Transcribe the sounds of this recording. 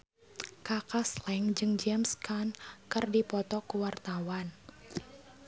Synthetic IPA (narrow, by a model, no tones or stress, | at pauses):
kakaslɛŋd͡ʒɨŋd͡ʒɛmskankɨrdipɔt̪ɔkuwart̪awan